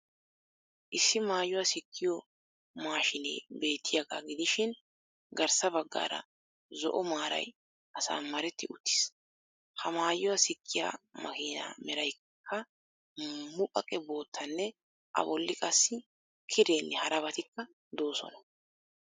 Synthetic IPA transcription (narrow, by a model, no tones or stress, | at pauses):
ʔɪsːɪmaːjʊwɐsɪkʰːɪjɔ | maːʃɪnḛːbe̞ːt̪ːɪjaɡaːɡɪd̪ɪʃɪn | ɡɐɾsɐbɐɡːa̰ːɾɐ̰ | zɔ̰ʔɔmaːɾɐ̰j | ʔɐsa̰ːmɐɾɛt̪ːɪʊt̪ːɪ̥s | hɐmaːjʊwɐsɪkːɪja̰ːmɐ̰ɡiːna̰ːmɛɾɐj | kʰːɐ | mʊpʼɐkʼɛbo̞ːt̪ʰːɐnːɛ | ʔɐ̰bɔlːɪkʼɐsːɪ | kʰɪɾeːnːɛhɐɾɐbɐt̪ɪkːɐ | d̪o̞ːsɔ̰nɐ̥